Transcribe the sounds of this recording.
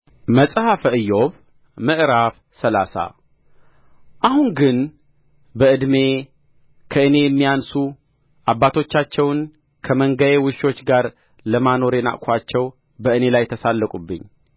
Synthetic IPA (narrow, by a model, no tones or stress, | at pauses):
məsʼhafəɨjːo̞β | mɨʔɾaf | səlasa̰ | ʔahunɡɨn | bəɨd̪me̞ | kʰəɨne̞jɛmːijansu | ʔabːat̪ʰo̞t͡ʃːat͡ʃːɛwn | kʰəməŋɡəjewɨʃo̞t͡ʃːɡaɾ | ləmano̞ɾena̰ʔkʷʰat͡ʃːɛw | bəɨne̞lajt̪ʰəsalːəkʼubːɨ̰ɲː